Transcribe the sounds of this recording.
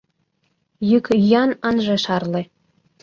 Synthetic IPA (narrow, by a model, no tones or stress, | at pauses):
jykyjɑnɑnʒĕʃɑrlĕ